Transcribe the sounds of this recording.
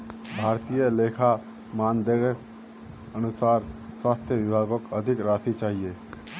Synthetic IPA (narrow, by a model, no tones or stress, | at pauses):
bʱaːɾt̪ijəleːkʰa | maːnd̪eːɾə | ənʊsaːɾswaːst̪ʰjəʋɪbʱaːɡokəd̪ʱɪkɾaːt̪ʰit͡ʃaːɦijeː